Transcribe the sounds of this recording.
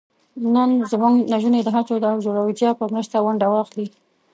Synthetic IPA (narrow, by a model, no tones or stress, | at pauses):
nənzmuŋɡnaʒuned̪əɦat͡sod̪əawd͡ʒoɽawid͡ʒɑpəmɾəʃt̪awaɳɖawɑxli